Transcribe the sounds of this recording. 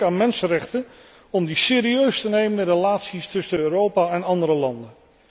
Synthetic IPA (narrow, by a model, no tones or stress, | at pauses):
aːnmɛnsərɛχtən | ɔmdisɪːɾiøɥstənejməndəɾelaːtsistɵsənøːrowpaɛnɑndəɾəlɑndən